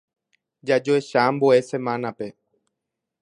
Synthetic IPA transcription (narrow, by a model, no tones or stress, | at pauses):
d͡ʒad͡ʒoe̞ʃamboe̞sẽ̞mãnape̞